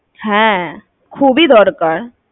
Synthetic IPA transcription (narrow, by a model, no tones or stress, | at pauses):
hɛ̃ː | kʰuːbʱid̪ɔːɾkəɾ